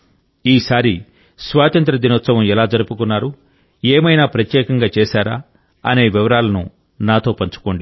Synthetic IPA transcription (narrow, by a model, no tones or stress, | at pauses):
iːsaːɾi | sʋaːt̪ɐnt̪ɾɐd̪inot̪sɐʋɐmɛlaːd͡ʒɐɾupukunːaːɾu | eːmɐjnaːpɾɐt̪jɛːkɐŋɡaːt͡ʃeːsaːɾa̰ː | ɐne̞ːʋiʋɐɾaːlɐnṵ | naːt̪o̞ːpɐɲt͡ʃu̥koːɳɖi